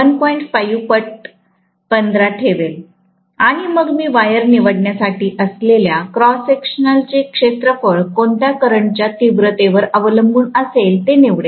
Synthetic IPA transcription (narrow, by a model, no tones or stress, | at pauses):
ənpɔiɳʈfajupəʈ̚ | pənd̪ɾaʈʰeʋel | aɽ̃iməɡmiːʋajəɾniʋəɽɳjasaʈʰiːʔəsleljakɾɔsekʂnalt͡ɕekʂet̪ɾəfəɭkoɳʈ̪jakəɾəɳt͡ɕjat̪iʋɾət̪eʋəɾəʋələmbʱuːnəselt̪eneʋɽe